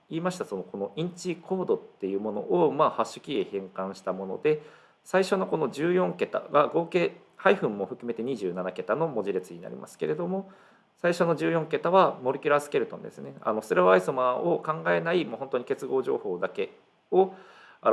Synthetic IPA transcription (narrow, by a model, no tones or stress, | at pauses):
iːmaɕi̥t̪aso̞no̞ko̞no̞ĩɲ̟t͡ɕikʰo̞ːd̪o̞t̪ːe̞jɯ̟ːmo̞no̞̰ʔomaːhaɕɨ̥kʲiehẽ̞ŋkãɰ̃ɕi̥t̪amo̞no̞̰d̪e̞ | saiɕo̞no̞ko̞no̞ʑɨːjõ̞ŋke̞t̪a̰ɡaɡo̞ːke̞ː | haiɸɯ̟̃mːo̞ɸɯ̟kɯ̟me̞t̪e̞ɲ̟iʑɨːnanake̞t̪ano̞mo̞ʑiɾe̞t͡sɨɲ̟ina̰ɾʲḭmʔa̰sɨ̥keɾe̞d̪o̞mo̞ | saiɕo̞no̞ʑɨːjõ̞ŋke̞t̪aβamo̞ɾʲɯ̟kʲiɾasɨ̥ke̞ɾɯ̟t̪õ̞̰nd̪e̞̰sɨne̞a̰no̞sɾoβaisomaːokãŋɡae̞naimoːho̞nt̪oɲ̟ike̞t͡sɨɡo̞ːʑo̞̰ːho̞ːd̪ake̞ | o | a